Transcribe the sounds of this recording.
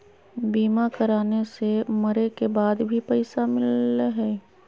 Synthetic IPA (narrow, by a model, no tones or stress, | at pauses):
biːmakɐɾaːnesemɐɾekebaːd̪bʱipɛɪsamɪlɦɛː